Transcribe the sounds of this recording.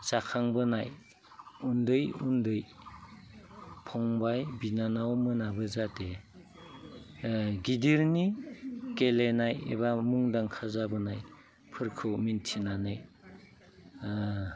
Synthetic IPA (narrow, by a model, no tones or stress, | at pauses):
z̥akʰaŋbɯnaj | undɯjundɯj | pʰɔŋbajbinanawmɯnabɯzate | ɡidiɾnikelenajḛβamuŋdaŋkʰazabɯnaj | pʰɯɾkʰɯwmintʰinanɯj